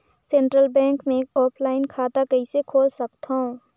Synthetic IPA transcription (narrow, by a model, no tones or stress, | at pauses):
sẽːɳʈɾəlbɛ̃ːŋkmẽkɔːpʰlaːɪnkʰaːt̪akəisekʰoːlsək̚t̪ɦõ